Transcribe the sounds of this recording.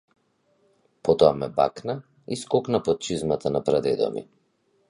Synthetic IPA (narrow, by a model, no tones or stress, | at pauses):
pɔt̪ɔamɛba̰kna | iskɔknapɔt̪̚t͡ʃizmat̪ʰanapɾad̪ɛd̪ɔ̰mḭ